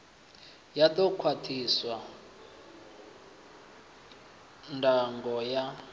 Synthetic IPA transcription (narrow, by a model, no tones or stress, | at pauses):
jatʼɔkʰwatʰiswa | ndʱaŋɡɔja